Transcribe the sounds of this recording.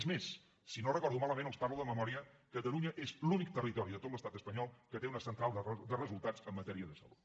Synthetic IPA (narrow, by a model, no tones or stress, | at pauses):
zmesː | inorəkɔɾðumaləmẽnəwsparluðəməmɔɾiəkət̪əluɲəʔezlunik̚t̪ərit̪ɔɾiðət̪ot̪ləst̪at̪əspəɲɔlˠkət̪eunəsənt̪ɾalˠd̪ərəzulˠt̪at͡səmːət̪ɛɾiəðəsə̰lṵt̪